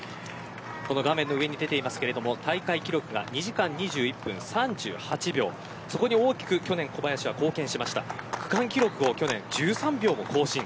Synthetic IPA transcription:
ko̞no̞ɡamenːo̞ɯ̟e̞ɲ̟id̪e̞t̪e̞imasɨ̥ke̞ɾe̞d̪o̞mo̞t̪ʰaikaikʲiɾo̞kɯ̟ɡa̰ɲ̟iʑikãɲ̟ːiʑɨːipːɯ̟̃ɰ̃sãɲd͡ʑɨ̰ːhat͡ɕibʲo̞̰ː | so̞ko̞ɲ̟io̞ːkʲi̥kɯ̟kʲo̞nẽ̞ŋko̞bajaɕiβako̞ːkẽ̞ɰ̃ɕimaɕi̥t̪a̰kɯ̟̥kãŋkʲiɾo̞kɯ̟o̞kʲo̞nẽ̞ɲd͡ʑɨːsãmbʲo̞ːmo̞ko̞ːɕĩŋ

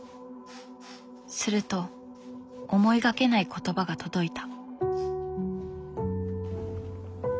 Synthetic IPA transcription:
sɨɾɯ̟t̪o̞ː | mo̞iɡake̞naikʰo̞t̪o̞baɡat̪o̞d̪o̞it̪ḁ

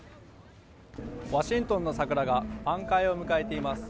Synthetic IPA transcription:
βaɕĩnt̪õ̞nːo̞sakɯ̟ɾaɡapãŋkaio̞mɯ̟kae̞t̪e̞imasɨ̥

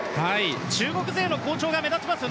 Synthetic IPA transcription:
hait͡ɕɨːɡo̞kɯ̟ze̞ːno̞ko̞ːt͡ɕo̞ːɡame̞zat͡ɕimasɨjo̞

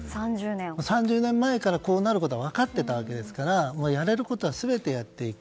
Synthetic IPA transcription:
sãɲd͡ʑɨːnẽmosãɲ̟d͡ʑɨːnẽ̞mːae̞kaɾako̞ːnaɾɯko̞t̪o̞aβ̞akat̪ːe̞t̪aβ̞ake̞d̪e̞sɨ̥kaɾamo̞ːjaɾe̞ɾɯ̟ko̞t̪o̞βasɨbe̞t̪e̞jat̪ːe̞ikkɯ̥

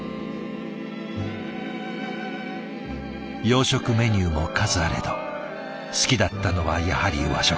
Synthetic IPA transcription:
jo̞ːɕo̞kɯ̟me̞ɲ̟ʲɨːmo̞kazɨaɾe̞̰d̪o | sɨ̥kʲid̪at̪ːano̞βajahaɾʲḭɯβa̰ɕo

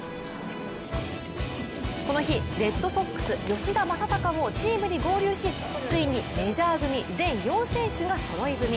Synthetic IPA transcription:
ko̞no̞çiɾe̞t̪ːo̞so̞kːɯ̥sɨjo̞ɕid̪amasat̪akaβo̞t͡ɕiːmɯ̟ɲ̟iɡo̞ːɾʲɨːɕi | t͡sɨiɲ̟ime̞ʑaːɡɯ̟mʲid͡zẽ̞ɰ̃jõ̞ɰ̃sẽ̞ɰɕɨɡasoɾo̞iɡɯ̟mʲi

